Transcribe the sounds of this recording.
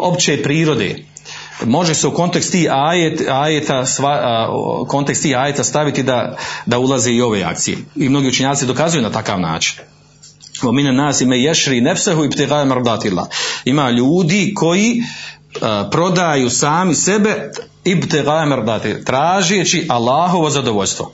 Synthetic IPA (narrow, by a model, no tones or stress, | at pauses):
o̞pt͡ʃeːpɾiːɾo̞d̪ḛː | mo̞ʒeseuko̞nt̪ekst̪iːhaːjeaːjet̪asa̰ | kʰo̞nt̪ekst̪iːhaːjet̪ast̪aʋit̪id̪ad̪aulˠazeːio̞ʋe̞ːa̰kt̪sijḛimno̞ɡiːut͡ʃeɲaːt̪id̪o̞kazujuːnat̪aka̰ːʋna̰ːt͡ʃi̥n | ominnaːsimajɛʃɾiːnefsaɦuibt̪iɣaːmaɾd̪aːt̪ilːa̰imaːʎuːd̪iːkʰo̞jiː | pɾo̞d̪ajuːsaːmisebe | ibt̪iɣaːemaɾd̪ɑːt̪ilat̪ɾaːʒeːt͡ʃiʔalˠːaːɦo̞ʋo̞zad̪oʋoʎʲst̪ʋo̞̰